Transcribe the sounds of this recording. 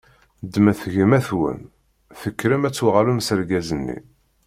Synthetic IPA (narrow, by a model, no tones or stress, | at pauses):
d̪mæθʝəmæθwə̰n | θəkːɾəmæt͡sːwʁalumsəɾɡæzənːḭ